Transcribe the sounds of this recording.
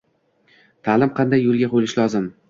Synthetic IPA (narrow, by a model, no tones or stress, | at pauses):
t̪ʰaːlɪmqʰɑnd̪ajːolˠɡʲaqʰojlɪʃlɒzɪm